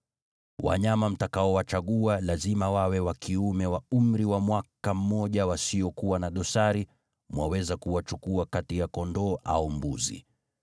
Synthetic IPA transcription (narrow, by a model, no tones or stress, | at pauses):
wa̰ɲamam̩takaɔwat͡ʃaɠualazimawawɛwakʰiumɛwaum̩ɾiwamwakam̩ːɔʄawasiɔkuwanaɗɔsaɾi | mwawɛzakuwat͡ʃukuakatijakɔndɔːʔa̰umbṵzḭ